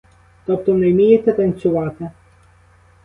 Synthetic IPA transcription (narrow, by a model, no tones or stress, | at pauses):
t̪ɔp̚t̪ɔʋnɛjmʲijɛt̪ʲɛt̪ɐnʲsʲʊʋɑːt̪ɪ